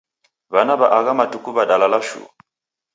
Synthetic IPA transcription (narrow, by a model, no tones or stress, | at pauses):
βanaβaʔaɣamatukuβadalalaʃṵm